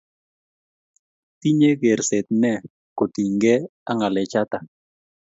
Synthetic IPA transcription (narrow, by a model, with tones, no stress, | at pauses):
ti˦ɲe˦ɡe˨ɾse˨t̪̚nɛ˦˨ | ko˨t̪i˨ŋɡɛ˦a˦ŋa˨lɛ˨t͡ʃa˦ta˨